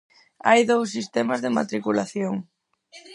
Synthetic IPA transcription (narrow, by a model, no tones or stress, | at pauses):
a̰jðowsːist̪ɛmazðɪma̰t̪ɾikulaθjoŋ